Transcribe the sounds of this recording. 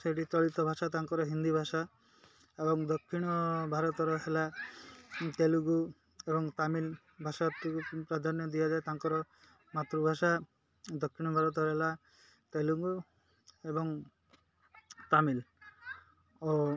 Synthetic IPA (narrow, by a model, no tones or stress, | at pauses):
seʈit̪ɔɭit̪ɔbʱaʃat̪aŋkɔɾɔɦind̪ibʱaʃa | ebɔŋd̪ɔkʰːiɽ̃ɔbʱaɾɔt̪ɔɾɔɦela | t̪eluɡu | ebɔŋt̪amil | bʱaʃat̪ukupɾad̪ʱanjɔd̪ijad͡ʒaet̪aŋkɔɾɔ | mat̪ɾubʱaʃa | d̪ɔkʰːiɽ̃ɔbʱaɾɔt̪̬ɔɾɔɦela | t̪eluɡu | ebɔŋ | t̪amil | ɔ